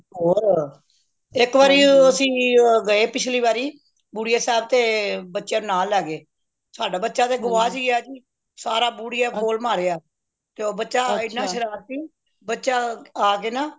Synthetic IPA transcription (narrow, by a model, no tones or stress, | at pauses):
ɦoːɾ | ɪkʋaːɾiːəsĩːɡəeːpɪt͡ʃʰliːbaːɾiː | buːɽijaːsɛːb̚t̪eːbətːʃjãːnːnaːlːɛːɡeː | soaːɖaːbətːʃãːt̪eːɡʊʋaːsiːaːd͡ʒiː | saːɾaːbuːɽijaːkoːlmaːɾeːaː | t̪eoːbətːʃaːɪnːãːʃəɾaːsiː | bətːʃaːaːkeːnaː